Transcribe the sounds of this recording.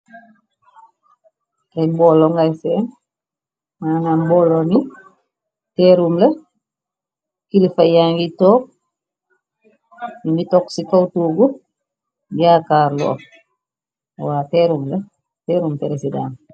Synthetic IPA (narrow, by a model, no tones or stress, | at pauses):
ɾɛbolːoŋɡaseːn | maːnanboloni | teːɾumle | kilifajaːŋɡitoːk̚ | mitoksikawtuɡu | ɡakaːɾlo̰ː | waːteːɾumle | teːɾuːmteɾesida̰ːn